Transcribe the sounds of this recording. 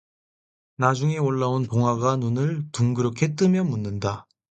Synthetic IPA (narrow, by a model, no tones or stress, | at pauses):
nad͡ʑuŋe̞oɭːaonpoŋɦaɡanunɯɭtuŋɡɯɾɯkʰe̞t͈ɯmjʌmunːɯnda